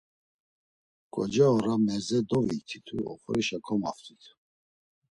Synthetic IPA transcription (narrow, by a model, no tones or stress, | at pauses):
kʼɔd͡ʒaɔɾamɛzɛd̪ɔvit̪ʰit̪ʰuɔ̰χɔɾiʃakʰɔma̰ft̪ʰʼit̪ʰ